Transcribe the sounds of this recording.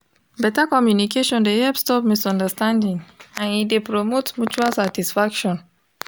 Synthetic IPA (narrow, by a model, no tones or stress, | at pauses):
bɛtakɔmjunikeʃɔ̃ndehɛpstɔpmisɔ̃ndəstãndĩŋãnidepɹomotmjut͡ʃualsatisfakʃɔ̃n